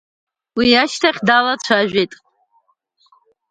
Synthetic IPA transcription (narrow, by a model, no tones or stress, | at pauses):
wiaʃtʰaχʲdalat͡ʃʷʰaʒᶣʷejtʼ